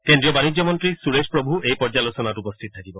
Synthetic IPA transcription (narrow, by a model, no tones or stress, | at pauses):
kendɾiɔbanid͡ʒjɔmɔnt̪ɾisuɾespɹɔbʱuejpɔɾd͡ʒalosɔnaʈupɔst̪ʰit̪ɔt̪ʰakibɔ